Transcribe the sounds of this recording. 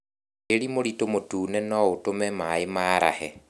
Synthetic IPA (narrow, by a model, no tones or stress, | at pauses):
eɾimoɾitomotuːnɛnɔotomɛmaemaːɾʔa̰hɛ